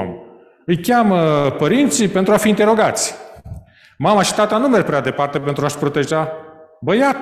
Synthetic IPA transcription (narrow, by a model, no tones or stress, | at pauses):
m | ɨjkʲaməpəɾint̪sipe̞nt̪ɾuafiːnt̪e̞ɾo̞ɡat̪sʲ | mamaʃi̥t̪at̪anumerɡpɾead̪e̞part̪e̞pe̞nt̪ɾuaʃpɾo̞t̪e̞ʒabəjat̪